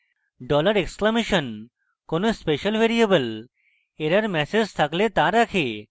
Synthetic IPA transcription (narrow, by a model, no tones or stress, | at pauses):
ɖɔləɾekskləmeɕən | konuspeɕəlʋeɾijəbəl | eɾəɾmɛsed͡ʑt̪ʰaklet̪aɾakʰe